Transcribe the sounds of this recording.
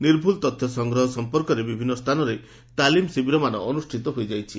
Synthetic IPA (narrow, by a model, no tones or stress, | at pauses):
niɾbʱult̪ɔt̪ʰjɔsɔŋɡɾɔɦɔsɔmpɔɾkɔɾebibʱinːɔst̪ʰanɔɾe | t̪alimsibiɾɔmanɔːnusʈʰit̪ɔɦojd͡ʒajt͡ʃʰi